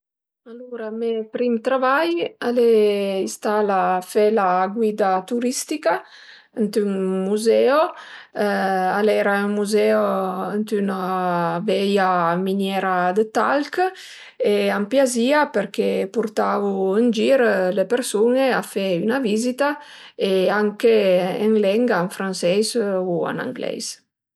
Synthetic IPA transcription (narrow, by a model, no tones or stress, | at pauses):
aluɾamepɾimt̪ɾavajaleist̪alafɛlaɡwid̪at̪uɾist̪ika | ənt̪yŋmuzɛo | alɛɾaəŋmuzɛoənt̪ynavɛjamiɲjɛɾad̪ət̪alk | eampjaziapəɾkepuɾt̪avuənd͡ʒiɾlepeɾsuneafɛynavizit̪aeaŋkeəŋlɛŋɡaaɱfɾansɛjzua̰na̰ŋɡlɛ̰js